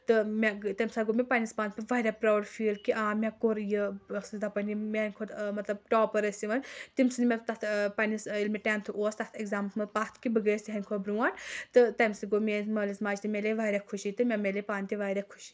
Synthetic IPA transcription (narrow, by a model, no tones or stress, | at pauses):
t̪ɨmʲat̪ɐmsaːɡomʲepɐnispaːnʲpʲiʋajɾʲapɾaːwɾfiːlkiʔãːmʲakoɾjəsɨd̪apɐnʲimʲenʲkʰot̪mɐt̪lɐb̚ʈɔːpəɾəsʲiʋɐnʲt̪imsɨnmʲet̪ɐt̪ʰpɐnisilmiʈʲaːnt̪ʰuʔoːst̪ɐt̪ʰeɡzaːmmɐpat̪ʰkibɨɡəːsʲt̪ʲiɦɐnʲkʰobɾuːant̪ɨt̪ɐmsiɡomʲeːnzmɐːlismaːd͡ʒt̪imʲeleʋaːɾʲakʰuʃit̪ɨmʲamʲelepaːnʲt̪ʲiʋaɾʲakʰu̥ʃi̥